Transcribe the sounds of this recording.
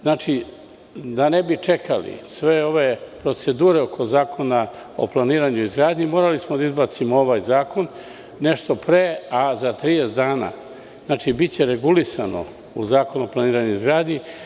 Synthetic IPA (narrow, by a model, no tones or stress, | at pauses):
znaːt͡ʃi | d̪ane̞bit͡ʃe̞kʰalḭsʋe̞o̞ʋe̞pɾo̞t̪se̞d̪uːɾe̞okʰo̞zaːkʰo̞na | o̞̰plˠaniːɾaɲuizɡɾaːd̪ɲimoɾalismod̪aizbaːt̪simooʋaːjzaːko̞nː | e̞ʃt̪o̞pɾeːazat̪ɾijesd̪aːna̰ː | z̥naːt͡ʃibitt͡ɕe̞ɾe̞ɡulisa̰no̞̰ | ṵzaːko̞nuoplˠaniːɾaɲuizɡɾaːd̪ɲi